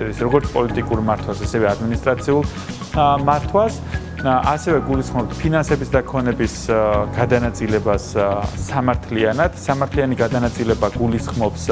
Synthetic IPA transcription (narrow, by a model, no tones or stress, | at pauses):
ɛɾisɾɔɡɔɾt̪sʰpʼɔlit̪ʼikʼuɾmaɾt̪ʰwasasɛvɛad̪minist̪ʼɾat̪sʰiulˠ | maɾt̪ʰwas | asɛvɛɡulisχmɔpt̪ʰpʰinansɛbisd̪akʰɔnɛbisɡ̥ad̪anat̪sʼilɛbasːamaɾt̪ʰlianad̪̥samaɾt̪ʰlianiɡad̪anat̪sʼilɛbaɡulisχmɔps